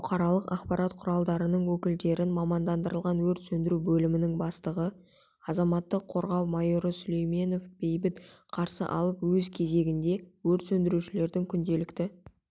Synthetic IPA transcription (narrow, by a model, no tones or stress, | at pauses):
ʊqʰɑɾɑlˠəqɑqpɑɾʔɑt̪qʰʊɾɑlˠd̪ɑɾənəɴwɵkʲɪld̪e̞ɾɪnmɑmɑnd̪ɑnd̪əɾəlˠʁɑnwɵɾt̪sɵnd̪ɪɾubɵlɪmɪnɪŋbɑst̪əʁə | ɑzɑmɑt̪ːəqʰːo̞ɾʁɑwmɑjoɾəsʏle̞jme̞no̞fb̥e̞jbɪt̪qʰɑɾsə̰ʔɑ̰lˠəpwɵzkʲʰe̞ze̞ɡʲɪnd̪e̞wɵɾt̪sɵnd̪ɪɾuʃɪle̞ɾd̪ɪŋkʲʰʏnd̪e̞lɪkt̪ɪ